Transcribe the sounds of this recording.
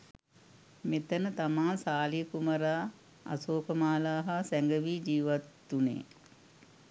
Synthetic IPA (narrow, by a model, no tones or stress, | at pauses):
met̪ənət̪amaːsaːliəkuməɾaː | a̰soːkəmaːlaːɦasæŋɡəʋiːd͡ʒiːʋat̪ːunḛː